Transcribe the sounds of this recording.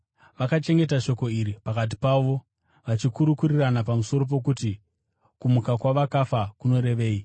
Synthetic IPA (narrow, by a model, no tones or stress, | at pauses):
ʋakat͡ʃe̞ŋɡe̞taʃo̞ko̞iɾipakat̬i̥paʋo̞ | ʋat͡ʃikuɾukuriranapamuso̞ɾo̞p̬o̞k̬uti | kumukakwaʋakafakuno̞ɾe̞ʋe̞ːi